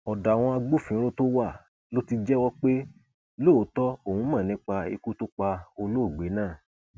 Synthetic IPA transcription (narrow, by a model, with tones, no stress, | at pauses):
ɔ˨da˨w̃ɔ̃˧a˧ɡ͡bo˦˨fĩ˨˦ɾo˦to˦wa˦˨ | lo˦ti˧d͡ʒɛ˦wɔ˦k͡pe˦ | lo˦˨˦tɔ˦o˦˨hũ˧˦mãː˦˨nĩ˦k͡pa˧ḭ˧ku˦to˦k͡pa˧o˧lo˦˨ɡ͡be˨˦nãː˦˨